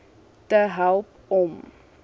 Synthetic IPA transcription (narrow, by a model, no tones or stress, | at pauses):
təɦælˠp | ɔm